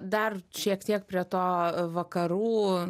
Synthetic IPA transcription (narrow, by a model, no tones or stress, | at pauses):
d̪ɐrʃʲiɛkt̪ʲiɛk̚pʲɾʲiɛt̪oːʋɐkɐɾuː